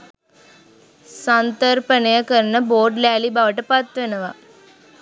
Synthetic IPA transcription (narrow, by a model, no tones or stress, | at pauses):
sɐnt̪ɐɾpɐnɐjɐkɐɾnɐboːɖlaːlibaːʋɐʈːɐpat̪ʋɐnɐʋa